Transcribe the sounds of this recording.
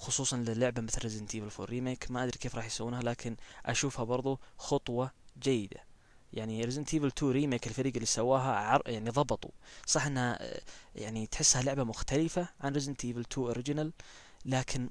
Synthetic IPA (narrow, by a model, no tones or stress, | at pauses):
xʊsˤuːsˤɑnlɪlːʊʕbamɪθlrːɪzɪnt̪ʰiːvɪlfo̰ɾiːmeːkmaʔad̪ɾikeːfɾˤɑːħjsawuːnhalaːkʰɪnʔa̰ʃuːfhabɑɾˤðˤuxɑt̪ˤwɑd͡ʒajːɪd̪a̰ | jaʕniɾɪzɪnt̪ʰiːvɪlt̪ʰuːɾiːmeːkɪlfaɾiːɡɪlːisawːaːɦaʕɑjaʕniðˤɑbɨt̪ˤṵsˤɑħʔɪnːhajaʕnit̪ħɪsːhalʊʕbamʊxt̪alɪfaʕanɾɪzɪnt̪ʰiːvɪlt̪ʰuːʔoɾɪd͡ʒnalː | aːkʰɪn